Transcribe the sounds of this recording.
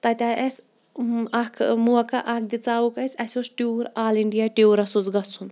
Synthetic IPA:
t̪ɐt̪ʲaʔɐsʲ | ɐkʰmuɐkɐʔɐk̚d̪it͡saːukɐsʲɐsʲosʈuːɾaːliɳɖijaʈiwɾɐsud͡zɡɐt͡sʰun

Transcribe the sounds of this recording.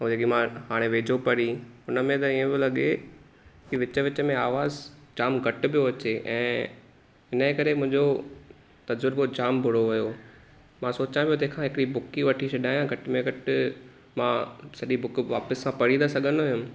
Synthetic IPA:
ũeːkimãɦaːɽ̃eʋeːd͡ʑʱopɐɾiʊnəmẽt̪ɐiẽbɪlɐɠe | kiʋɪt͡ɕə̆ʋɪt͡ɕəmẽaːʋaːzd͡ʑaːmɡʱɐʈɪ̆bʱijoɐt͡ɕeʔɛ̃ː | ɦɪnəkɐɾemʊ̃ɦɪ̃ɲd͡ʑo | t̪ɐzʊɾbod͡ʑaːmbʱʊɽoʋɐjo | mãsoːt͡ɕãpijot̪̬ɐɦkʰãɦɪkɽibʊkiʋɐʈʰiɕʰɐɗaːjãɡʱɐʈmẽɡʱɐʈɪ | mãsɐɗibʊkʋaːpəsːãpɐɽĩnd̪asɐɠʱənʊjʊmɪ̆

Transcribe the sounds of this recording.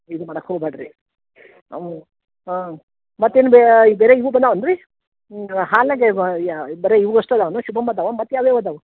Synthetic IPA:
id̪umɐɽɐkhoːɡbaɽɾḭ | mɐt̪ːenubebeːɾeiʋubɐnd̪aʋɐnɾi | ɦaːlɐɡebeːɾeiʋuɡosʈɐd̪aːʋɐnuʃubɐmbɐd̪aːʋɐmɐt̪ːjaːʋebɐd̪aʋu

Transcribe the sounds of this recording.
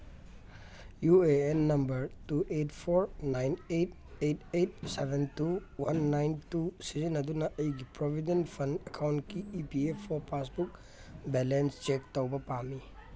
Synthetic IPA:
jueenːɐmbɐɾtuʔetpʰoɾnajnejt̚ | ejtejt̚sebʱentuwanːajntusizinːɐdunɐʔɐjɡipɾobʱidenpʰɐndɐkʰawntkiːpiepʰːɔpasbuk̚ | bɛlenst͡ʃek̚tɐwbɐpami

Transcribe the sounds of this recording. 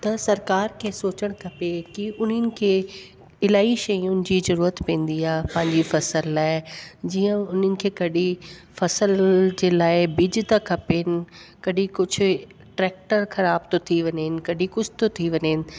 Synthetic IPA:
t̪ɐsɐɾkaːɾkʰeːsoːt͡ɕəɽ̃kʰɐpekiʔʊnənɪ̆kʰeː | ɪlaːiʃɐjʊnɪ̆d͡ʑiːzɐɾuːɾət̪pẽːn̆d̪iaːɦpɐ̃ɦɪ̃ɲd͡ʑifɐsəlːaːɪd͡ʑiːə̃ʊn̤ənɪ̆kʰeːkɐɗi | fɐsəld͡ʑeːlaːɪbɪd͡ʑɪ̆t̪ɐkʰɐpeɦɪnɪ̆kɐɗikʊd͡ʑʱʊ̆ | ʈɾɛːk̚ʈəɾxɐɾaːbt̪ot̪ʰiʋɐɲəɦɪnɪ̆kɐɗikʊd͡ʑʱɪt̪ot̪ʰiʋɐɲəɪnɪ̆

